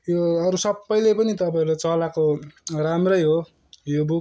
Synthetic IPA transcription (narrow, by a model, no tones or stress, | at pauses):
joʌɾusʌbːʌjlepʌnit̪ʌpaɾot͡sʌlakoramrʌjɦo | jobuk